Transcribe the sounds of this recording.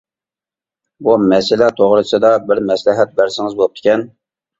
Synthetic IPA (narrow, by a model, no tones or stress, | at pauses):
bumɛsɪlɛt̪ʰoʁɾɨsɨd̪ɑbɪɾmɛslɪɦɛt̪̚bæɾsɪŋɪzbolˠup̚t̪ɪ̥kʲɛn